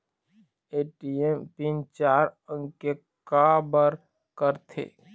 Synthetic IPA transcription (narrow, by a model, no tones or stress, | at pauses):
eːʈiempint͡ʃaːɾəŋke | kabəɾ | kəɾt̪ʰḛː